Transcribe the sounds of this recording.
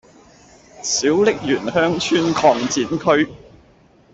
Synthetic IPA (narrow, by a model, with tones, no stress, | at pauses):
siː˨˥wlɪ˥k̚jyː˨˩nhœː˥ŋt͡ʃʰyː˥nkʰɔː˧ŋt͡siː˨˥nkʰɵ˥ɥ